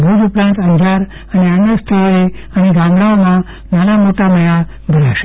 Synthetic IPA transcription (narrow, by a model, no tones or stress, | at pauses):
bʱud͡ʒupɾãːnt̪ə̃nd͡ʒʱaɾ | əneənːəst̪ʰəɾoe | əneɡãmɽaomã | maɾamoʈaməja | bʱəɾaʃe̥